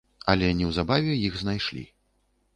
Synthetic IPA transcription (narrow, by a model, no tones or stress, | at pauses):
ɐ̰lʲɛnʲɛwzabavʲɛjiɣznajʂlʲḭ